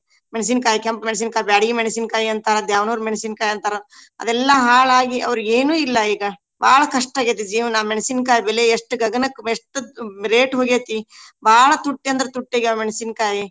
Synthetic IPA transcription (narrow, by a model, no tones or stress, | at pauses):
meɽis̬iːnkaːjikɐmpmeɽs̬iːnkaːjibaːɽiɡimeɽisiːnkaːjiɐnt̪aːɾɐd̪jaːʋɐnuːɾumeɽisiːnkaːjɐnt̪aːɾɐɐ̰d̪ɛlːɐɦaːɭaːɡiɐ̰ʋɐɾueːnuːilːɐiːɡɐ | ba̰ːɭɐkɐʂʈaːɡet̪̬id͡ʒiːʋɐnameɳisiːnkaːjibɛleeʂʈɡɐɡɐnɐkːeʂʈuɾeːʈɦoːɡeːt̪ibaːɭɐt̪uʈːiɐnd̪ɐɾɐt̪uʈːeːɡɐmeɽisiːnkaːji